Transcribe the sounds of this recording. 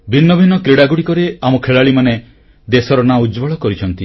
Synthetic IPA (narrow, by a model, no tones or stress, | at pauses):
bʱinːɔbʱinɔkɾiɽaɡuɽikɔɾeamɔkʰeɭaɭimane | d̪esɔɾɔnaud͡ʒbɔɭɔkɔɾit͡ʃʰɔnt̪i